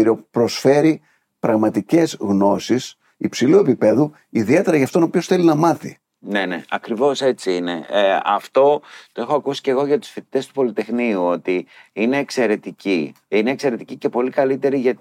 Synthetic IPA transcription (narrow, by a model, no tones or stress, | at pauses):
ɾopɾo̞sfe̞ɾi | pɾɐɣmɐt̪ice̞zɣno̞sis | ipsilue̞pipe̞ðu | iðie̞t̪e̞ɾɐʝɐːft̪o̞nopio̞sθe̞linɐmɐθḭ | ne̞nḛɐkɾivo̞se̞t͡siinḛɐ̰ft̪o̞t̪o̞e̞xoɐkusi̥ceɣo̞ʝɐt̪u̥sfit̪i̥t̪e̞st̪u̥po̞lit̪e̞xniuo̞t̪iine̞ːkse̞ɾe̞t̪iciine̞ːkse̞ɾe̞t̪i̥cice̞po̞likɐlit̪e̞ɾiʝɐ